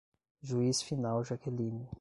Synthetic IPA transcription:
ʒuisfinawʒakʰelĩni

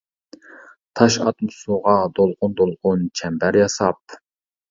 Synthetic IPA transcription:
t̪ʰɑʃɑ̰t̪mʊsuʁɑd̪olˠʁʊnd̪olˠʁʊnt͡ʃʰɛmbæɾjɑsɑp̚

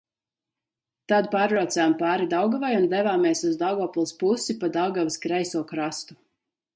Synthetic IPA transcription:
t̪ad̪̚paːɾɾɔt̪sɛjampaːɾid̪awɡavajund̪ɛvaːmeɛsuzd̪awɡɔːpulˠspusipad̪awɡaviskɾɛjsuɔkɾast̪u̥

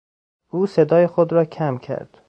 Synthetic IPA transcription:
ʔuːse̞d̪ɒːjexod̪ɾɒːcʰæmcʰæ̰ɾd̪̥

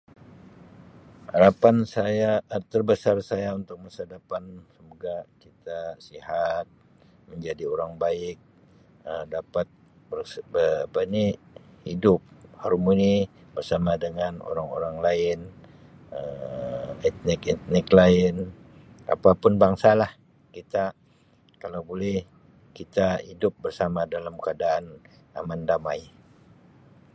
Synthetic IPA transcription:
haɾapansajat̪ərbəsarsajaunt̪ʊk̚masadapansəmoɡakit̪asihat̪̚ | məɲd͡ʒadioɾaŋbaɪk̚ | əmdapat̪̚ | bərbəbəni | hidʊp̚hɔɾmuni | bərsamadəŋano̰ɾaŋo̰ɾaŋlaɪn | ə | ɛt̪̚nɪkɛt̪̚nɪklaɪn | ʔa̰papʊnbaŋsalah | kit̪a | kalawbolɛh | kit̪ahidʊp̚bərsamadalamkəadaːn | a̰mandamaj

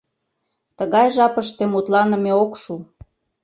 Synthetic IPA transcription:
t̪əɣɑjʒɑpəʃt̪emut̪lɑnə̆meokʃu

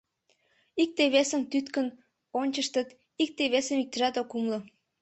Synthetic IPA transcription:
ik̚t̪eβesəmt̪yt̪kən | onʲt͡ɕəʃt̪ət̪ | ik̚t̪eβesəmik̚t̪ə̆ʒɑt̪okumlo

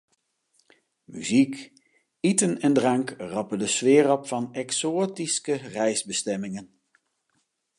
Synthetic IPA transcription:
my̰zik | itənɛndrɑŋkrɑpəndəsʋɪːrɔpfɑnɛksoːtiskərɛjzbəstɛmɪŋən

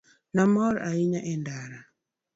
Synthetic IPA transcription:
namɔɾaiɲaʔɛndaɾa

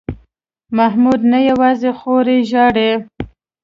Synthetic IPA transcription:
mahmud̪najawɑzexoɾeʒɑɽe

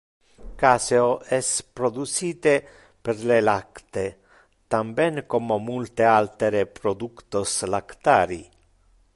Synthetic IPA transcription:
kaːseoɛspɾod̪ut͡ʃiːt̪e | perlelakt̪e | t̪ambɛŋkomomult̪ealt̪eɾepɾod̪ukt̪oslakt̪aːɾḭ

